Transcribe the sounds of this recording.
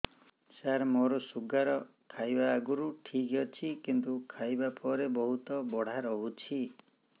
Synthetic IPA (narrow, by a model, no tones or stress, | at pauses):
saɾmoɾɔsuɡaɾɔ | kʰajbaːɡuɾuʈʰikɡɔt͡ʃʰikint̪ukʰajbapɔɾebɔɦut̪ɔbɔɽ̤aɾɔɦut͡ʃʰi